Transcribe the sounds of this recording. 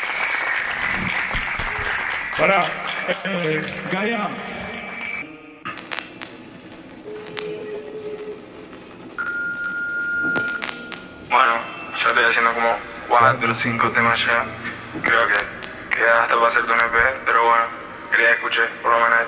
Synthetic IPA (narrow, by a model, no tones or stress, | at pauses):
paɾa | ɡaja | bwenosot̪easjend̪okomo | waad̪elosiŋkot̪emaʃa | kɾeoke | keiaaht̪apaseɾd̪unepepeɾoβweno | keɾiaehkut͡ʃepoɾlomẽno